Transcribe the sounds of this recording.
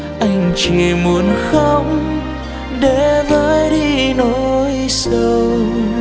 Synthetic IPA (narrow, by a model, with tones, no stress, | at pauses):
ʔa˧jŋ̟t͡ɕi˧˨mu˨˩˦ənxə˧ŋ͡m | ɗe˧˩˦vəː˧˨˦jjɗi˧no˧˦jsə˧w